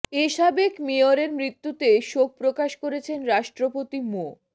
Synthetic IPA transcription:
eʃabekmioɾeɾmɾit̪ːut̪eʃok̚pɾokaʃkoɾet͡ɕʰenɾaʃʈɾopot̪imo

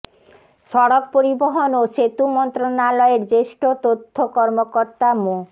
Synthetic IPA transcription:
ʃɔɽok̚poɾiboɦonoʃet̪umɔnt̪ɾonalɔeɾd͡ʑeʃʈot̪ot̪ʰːokɔɾmokoɾt̪amo

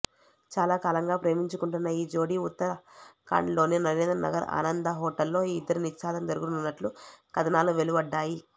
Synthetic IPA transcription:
t͡ʃaːlaːkaːlɐŋɡaːpɾe̞ːmiɲt͡ʃukuɳʈunːɐiːd͡ʒo̞ːɽiut̪ːɐɾɐka̰ːɳɖlo̞ːninɐɾeːnd̪ɾɐnʔɐ̰ɡɐɾa̰ːnɐnd̪ɐɦɔːʈɐlːo̞ːiːid̪ːɐɾinit̪ʃaːd̪ɐmd̪ɐɾuɡununːɐʈlukɐd̪ʱɐnaːluʋe̞lubɐɖːaːji

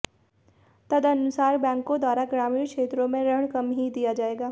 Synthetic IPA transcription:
t̪ɐd̪ʱɐnʊsaːɾbɛ̃ːŋkːõd̪waːɾaɡɾaːmiːɾkʃeːt̪ɾõmẽɾɐɦəɽ̃kɐmɦid̪ijad͡ʒaːeːɡaː

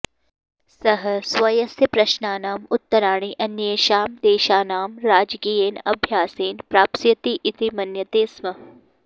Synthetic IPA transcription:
sɐɦɐsʋɐjɐsjɐpɾɐʃnaːnaːmʊt̪ːɐɾaːɳ̃iːʔɐnjeːʃaːmd̪eːʃaːnaːmɾaːd͡ʒkiːjeːnɐbʱjaːseːnpɾaːpsjɐt̪iʔit̪imɐnjɐt̪eːsmɐɦ

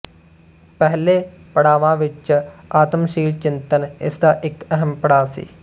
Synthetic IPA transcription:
pɛɦleː | pəɽaːʋãːʋɪt͡ʃaːt̪əmʃiːlt͡ʃɪ̃nt̪ənɪ̰sd̪aːʔɪkɛɦəmpəɽaːsḭː

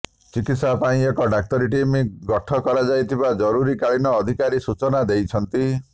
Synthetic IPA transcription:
t͡ʃikit̪sapaĩekɔɖak̚t̪ɔɾiʈimiɡɔʈʰɔkɔɾad͡ʒajt̪ʰibad͡ʒɔɾuɾikaɭinɔːd̪ʱikaɾisut͡ʃɔnad̪ejt͡ʃʰɔnt̪i

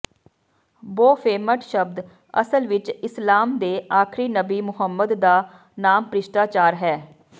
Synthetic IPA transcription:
boːpʰeːməʈʃəb̚d̪ | ə̰səlʋɪt͡ʃɪslaːmd̪eːaːkʰɾiːnəbiːmʊɦəmːəd̪ːaː | naːmpɾɪʃʈ̪aːt͡ʃaːɾɦɛː

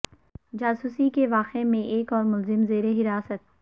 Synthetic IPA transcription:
d͡ʒaːsuːsikeʋaːqemẽʔeːkɔːɾmʊlzɪmzeːɾeɦɪɾaːsət̪̚

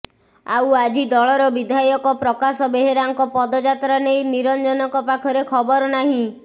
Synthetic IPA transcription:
a̰wad͡ʒid̪ɔɭɔɾɔbid̪ʱajɔkɔpɾɔkasɔbeɦeɾaŋkɔpɔd̪ɔd͡ʒat̪ɾanejniɾɔnd͡ʒɔnɔkɔpakʰɔɾekʰɔbɔɾɔnaɦĩ

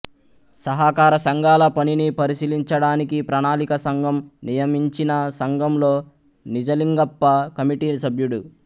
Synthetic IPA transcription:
sɐɦakaːɾɐsɐŋɡaːlɐpɐninipɐɾisiliɲt͡ʃɐɽaːnikipɾaːnaːlikɐsɐŋɡʱɐmnijɐmiɲt͡ʃinɐsɐŋɡɐmlo̞ː | nid͡ʒɐliŋɡɐpːɐkɐmiʈiːsɐbʱjuɽu

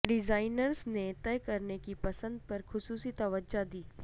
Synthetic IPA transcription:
ɖɪzaːɪnəɾznet̪ɛːkɐɾnekipɐsə̃nd̪̚pɐɾxʊsuːsit̪ɐʋəd͡ʒad̪iː

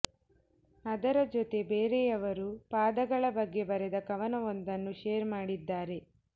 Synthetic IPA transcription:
ɐd̪ɐɾɐd͡ʒot̪e̞beːɾejɐʋɐɾupaːd̪ɐɡɐɭɐbɐɡːe̞bɐɾed̪ɐkɐʋɐnɐond̪ɐnːuʃeːɾmaːɽid̪ːaːɾe̞

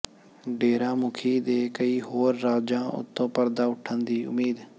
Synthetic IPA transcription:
ɖeːɾãːmʊkʰiːd̪eːkəiːɦoːɾːaːd͡ʒãːʔʊ̰t̪ʰːõːpəɾd̪aːʊʈʰːənd̪iːʔʊ̰miːd̪

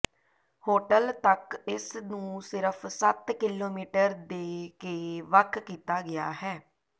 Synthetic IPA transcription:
hoːʈəlt̪əkɪsnũːsɪɾəpʰsət̪kɪloːmiːʈəɾd̪eːkeːʋəkʰːiːt̪aːɡɪa̰ːɦɛː

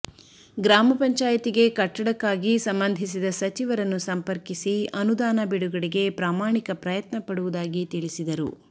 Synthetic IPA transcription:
ɡɾaːmɐpɐɲt͡ʃaːjɐt̪iɡe̞kɐʈːɐɽɐkːaːɡisɐmbɐnd̪ʱis̬id̪ɐsɐt͡ʃiʋɐɾɐnːusɐmpɐɾkisiɐnud̪aːnɐbiɽuɡɐɽiɡe̞pɾaːmaːɳikɐpɾɐjɐt̪nɐpɐɽuʋud̪aːɡit̪iɭisid̪ɐɾṵ

